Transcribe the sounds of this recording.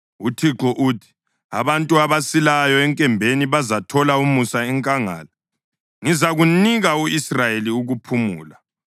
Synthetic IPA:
utʰiǁɔʔuːtʰi̥ | a̰βantʼuaβasilajɔɛŋkʼɛmbʱeniβazatʰɔlaumusaɛŋkʼaŋa̰ːla | ŋizaɣuniɣauisrajeliuɣupʰumṵːla

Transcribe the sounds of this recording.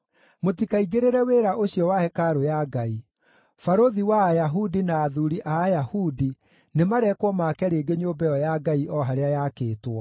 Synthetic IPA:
motikaiɡeɾeɾɛweːɾaʔoɕjɔwahɛkaɾojaɡai | faɾoðiwaːjaɦudinaːðuɾiʔaːjahudi | nemaɾɛkwɔmakɛɾeːɡeɲoːbɛɔjaɡaiʔɔɦaɾeajakeːtwɔ

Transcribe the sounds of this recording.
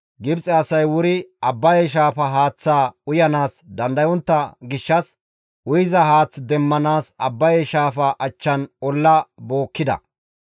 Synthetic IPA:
ɡɪbt͡sʼɛɐsɐjwʊɾɪɐbːɐjɛʃ̬aːfɐɦaːt͡sːaːʊjɐnaːsd̪ɐnd̪ɐjɔnt̪ːɐɡɪʃːɐs | ʔʊjɪzɐhaːt͡sːd̪ɛmːɐnaːsɐbːɐjɛʃaːfɐʔɐt͡ʃːɐnɔlːɐboːkːɪd̪ɐ̰

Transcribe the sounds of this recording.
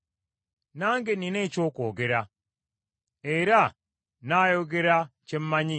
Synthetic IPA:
naːŋɡeninet͡ʃoːkoːɡeɾa | eɾa | naːjoɡeɾat͡ʃem̩maɲi

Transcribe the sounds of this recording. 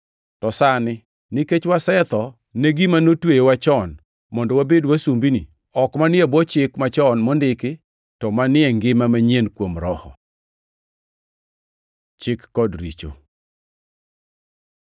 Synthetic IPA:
tɔsanɪ | nɪket͡ʃwasɛt̪ɔ | neɡimanotwejewat͡ʃɔn | mɔndɔwabedwasumbinḭ | ɔkmanɪɛbɔt͡ʃɪkmat͡ʃɔnmɔndɪkɪ | tɔmanɪɛŋɡɪmamaɲenkwomɾɔhɔ̰ | t͡ʃɪkːɔdɾḭt͡ʃo̰

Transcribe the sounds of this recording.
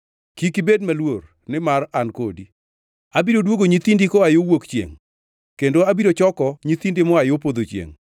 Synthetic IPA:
kikɪbedmalwor | nɪmarankodi | abiɾodwoɡoɲit̪indikɔajowokt͡ʃjḛŋ | kendoabiɾot͡ʃɔkɔɲit̪indɪmɔajop̬od̪ot͡ʃjḛŋ

